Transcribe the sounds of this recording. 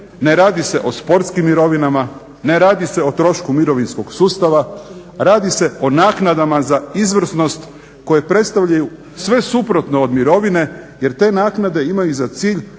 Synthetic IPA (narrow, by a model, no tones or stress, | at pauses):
neɾaːd̪ise̞ʔo̞spo̞ɾt̪skimːiɾo̞ʋinama | ne̞ɾaːd̪ise̞o̞t̪ɾo̞ʃkumiɾo̞ʋinsko̞ɡsuːst̪aʋa | ɾaːd̪ise̞o̞naːknad̪amazaizʋr̩sno̞st̪ | ko̞je̞pɾe̞t̪st̪aʋʎaju | sʋe̞supɾo̞t̪nood̪miɾo̞ʋine̞je̞ɾt̪e̞ːnaːknad̪e̞imajuzat̪siːʎ